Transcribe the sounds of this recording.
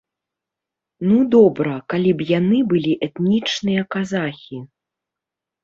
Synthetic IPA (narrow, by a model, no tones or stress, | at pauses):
nud̪ɔbɾɐkalʲibjanɨbɨlʲiʔɛt̪nʲit͡ʂnɨjɐkazaxʲi